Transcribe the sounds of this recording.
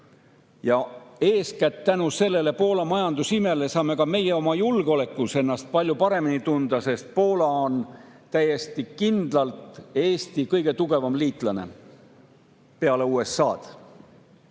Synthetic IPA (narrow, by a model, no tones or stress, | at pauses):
jɑe̞ːskæt̪t̪ːænuse̞lːe̞le̞po̞ːlɑmɑjɑnd̪̥usime̞lesɑːme̞kɑme̞jeo̞mɑjulɡ̥eo̞le̞kːˑuse̞nːɑst̪̚pɑlʲjupɑɾe̞minit̪und̪ɑse̞st̪̚po̞ːlɑont̪æje̞st̪ikind̪̥lɑlt̪e̞ːst̪ikɤjɡe̞t̪uɡ̥e̞vɑmliːt̪ˑlɑne̞̰ | pe̞ɑle̞uːe̞sːɑːt̪